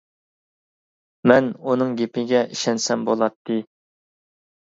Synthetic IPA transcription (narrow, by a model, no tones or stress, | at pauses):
mɛnunɨŋɡʲepʰɪɡʲɛʔiʃɛnsɛmbolˠɑt̪ʰːɨ